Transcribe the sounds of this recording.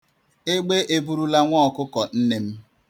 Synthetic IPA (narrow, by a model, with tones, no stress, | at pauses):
e˦ɡ͡be˦ʔe˦bu˦ɾu˦la˦ŋʷɔ˦ɔ˨kʊ˦kɔ˨n̩˦ne˦m̩˦